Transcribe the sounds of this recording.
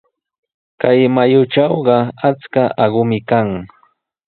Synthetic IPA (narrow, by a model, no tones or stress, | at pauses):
kajmajʊʈ͡ʂɑwɢɑat͡skaʔɑɢʊmɪkaŋ